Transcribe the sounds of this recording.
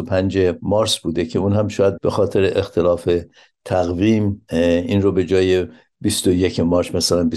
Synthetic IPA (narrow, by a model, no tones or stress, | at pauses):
opʰænd͡ʒemɒːɾsbuːd̪e̞cʰe̞uːnhæmʃɒːjæd̪̚be̞xɒːt̪ʰe̞ɾeʔext̪ʰe̞lɒːfe̞ | t̪ʰæɣviːminrobe̞d͡ʒɒːje | bist̪ojecʰemɒːɾsmæsælænbi